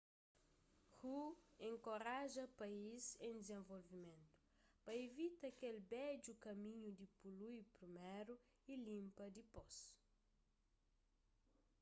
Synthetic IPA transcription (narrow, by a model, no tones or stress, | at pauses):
huẽŋkoɾaʒɐpaizẽd̪ezẽɱvolvimẽnt̪u̥ | pɐevit̪ɐkelbɛd͡ʒukɐmĩɲud̪ipulujpɾimeɾu | ilĩmpɐd̪ipos